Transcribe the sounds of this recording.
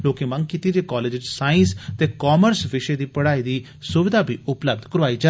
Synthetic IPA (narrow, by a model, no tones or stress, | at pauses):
loːkeːmə̃ŋɡ̚kiːt̪id͡ʒeːkɔːleːd͡ʒɪd͡ʒsaːɪ̃nst̪eːkɔːməɾsʋɪʃed̪iːpəɽaːiːd̪iː | sʊʋɪd̪ʱaːbʱḭːʊpləb̚d̪kəɾʋaːiːd͡ʒa